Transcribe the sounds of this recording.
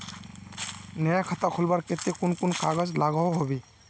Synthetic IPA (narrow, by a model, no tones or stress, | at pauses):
nəjakʰət̪akʰulbaɾket̪ekunkunkaɡəzlaɡɔɦoɦobi